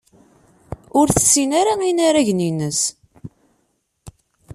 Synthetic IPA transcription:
ʊɾθə̥sːinaɾainaɾæʝninəs

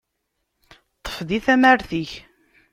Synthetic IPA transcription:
t̪ˤːə̥fðiθæmæɾθiç

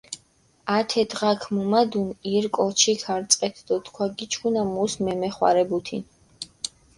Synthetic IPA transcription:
at̪ʰɛd̪ʁakʰmɔmad̪uniɾkʼɔt͡ʃʰikʰaɾt̪sʼqʼɛt̪ʰd̪ɔt̪ʰkʰwaɡit͡ʃʰkunamusmɛmɛχwa̰ɾɛbut̪ʰin

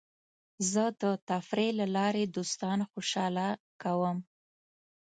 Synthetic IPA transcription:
zəd̪ət̪afɾelalɑɾed̪ost̪ɑnxoʃɑla | kawəm

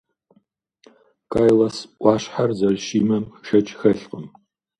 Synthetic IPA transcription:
kʰaːjlɐsʔʷɑːɕħarzɐlʃiːmɐmʃɐt͡ʃʼxɐɬqəm

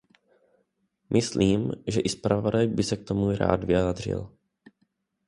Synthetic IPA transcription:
mʔɪsliːmʒɛʔɪspɾavodajbɪsɛk̚t̪omuɾa̰ːd̪vɪjaːd̪r̝ɪ̰l

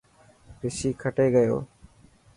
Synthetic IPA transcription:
pɪsiːkʰəʈeːɡəjo̰ː

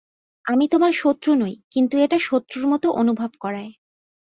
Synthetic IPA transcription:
amit̪omaɾʃot̪ːɾunojkint̪ueʈaʃot̪ːɾuɾmɔt̪oʔonubʱobkɔɾae

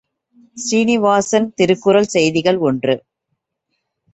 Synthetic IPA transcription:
siːnɪʋaːsɐnt̪ɪɾɯkːɯɾɐlsɛjðɪɣɐɭɔndrɯ

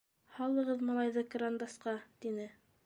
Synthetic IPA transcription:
hɑlˠɤ̆ʁɤðmɑlˠɑjðɤkɾand̪ɑsqɑt̪inɘ

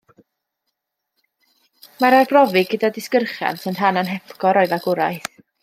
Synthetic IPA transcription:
maɾarbrɔvɪɡədadɪskərχja̰nsənd̥ɦananɦɛpʰkɔɾɔɨðaɡ̥ʊɾa̰jθ

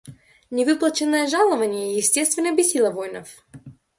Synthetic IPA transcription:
nʲɪvɨplˠət͡ɕɪnːəjəʐalˠəvənʲɪjəjɪsʲtʲest̪vʲɪnəjbʲɪsʲilˠəvojnəf

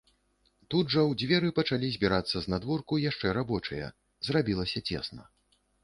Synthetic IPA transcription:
t̪ud̪ʐɐwd͡zʲvʲɛɾɨpɐt͡ʂalʲizʲbʲiɾat̪sːɐznad̪vɔrkujaʂt͡ʂɛɾabɔt͡ʂɐjɐ̰ | zrabʲilˠɐsʲɐt͡sʲḛsnɐ

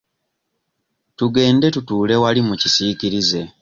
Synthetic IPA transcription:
tuɡe̞ːnde̞tutuːle̞walimucisiːciɾize̞

